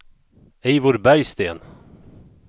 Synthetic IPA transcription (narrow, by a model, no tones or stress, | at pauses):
ɛːvʊɾbæɾjst̪ḛːn